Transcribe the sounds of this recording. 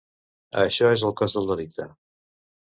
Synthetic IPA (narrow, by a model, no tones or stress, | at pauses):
ə̰ʃɔezəlˠkɔzðəlˠd̪əlik̚t̪ə